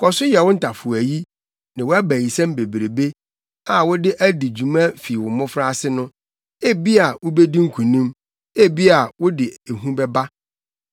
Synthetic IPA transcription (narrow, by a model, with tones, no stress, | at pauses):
kʰɔ˨sʊ˦jɛ˨wʊ̃˦n̩˦tʰa˨fʊ˨æ˨ji˦ | nɪ̃˨wæ˦bæ̃˨ji˨sã˦m˦be˨bɾe˨be˦ | a˨wʊ˦dɪ˦ʔæ˦di˨d͡ʑu˨mã˦fi˨wʊ˨mʊ̃˦fɾa˦˨sɪ˦nʊ̃˦ | e˦bi˦a˨wʊ˦be˦dĩ˦ŋ̩˦kʰũ˨nĩ˦m | e˦bi˦a˨wʊ˦dɪ˨e˨ɦũ˦bɛ˦ba˦